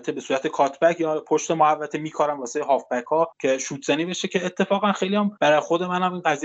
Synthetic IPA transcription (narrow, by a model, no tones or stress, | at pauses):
t̪ʰebe̞suːɾæt̪ʰe̞kʰɒːt̪ʰbækʰjɒːpʰoʃt̪e̞mohævːæt̪ʰemiːkʰɒːɾæmvɒːseɦɒːfbækʰːɒːcʰe̞ʃuːt̪ʰz̥æniːbe̞ʃecʰe̞ːt̪ʰːe̞fɒːɣænxejlijæmbæɾɒːjexo̞d̪e̞mænæmiːnɢæzij